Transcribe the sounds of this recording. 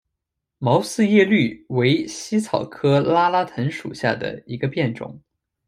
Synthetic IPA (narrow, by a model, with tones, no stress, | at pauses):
mɑ˧˥ʊsɹ̩˥˧jɛ˥˧ly˥˩we˧˥ɪɕi˥t͡sʰɑ˨˩ʊkʰɤ˥la˥la˥t̪ʰə˧˥nʂṵ˨˩ɕja˥˩d̪ə̰˩i˧˥ɡə˧pjɛ˥˩nʈ͡ʂʊ̰˨˩˦ŋ